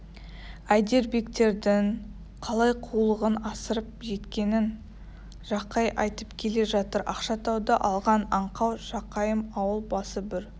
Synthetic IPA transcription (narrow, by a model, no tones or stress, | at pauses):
æjd̪e̞ɾbe̞kt̪e̞ɾd̪ɪŋ | qʰɑlˠɑjqʰulˠəʁənɑsəɾəp̚ʒe̞t̪kʲe̞nɪn | ʒɑqɑjʔɑ̰jt̪əpkʲʰe̞le̞ʒɑt̪əɾɑ̰qʃɑt̪ʰɑwd̪ɑʔɑlˠʁɑnɑɴqɑwʒ̥ɑqɑjəmɑwəlˠbɑsəbɪɾ